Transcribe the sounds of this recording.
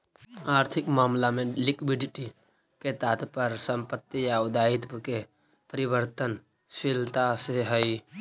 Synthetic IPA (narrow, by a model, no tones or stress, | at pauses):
aːɾt̪ʰɪkmaːmlamẽlɪkbiɖɪʈi | ket̪aːt̪pəɾsəmpət̪ːijaʊd̪aɪt̪ke | pəɾɪbəɾt̪ən | ʃilt̪aseɦəi